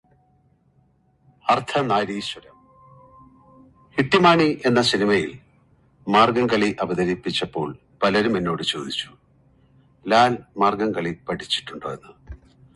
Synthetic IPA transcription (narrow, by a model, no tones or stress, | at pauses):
ɐrt̪ʰɐnaːɾiːɕɐɾɐm | hiʈːimaːɳiʔe̞nːɐsinimɐjil | maːrɡɐŋkɐɭiʔɐbɐðɐɾipːit͡ɕːɐpːo̞̰ːɭ | pɐlɐɾume̞nːo̞ːɽɨt͡ɕo̞ːd̪it͡ɕːu̥ | laːlmaːrɡɐŋkɐɭipɐʈʰit͡ɕːi̥ʈːuɳɖo̞̰ːjenːɨ